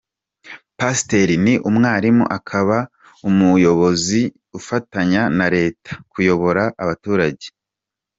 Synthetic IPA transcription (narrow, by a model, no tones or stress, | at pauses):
pasteɾiniʔumŋaːɾimṵʔakʰaβa | umujo̞βo̞zi | ufataɲanaɾe̞ːtḁkujo̞βo̞ɾaʔːβatuːɾaɟe̞̥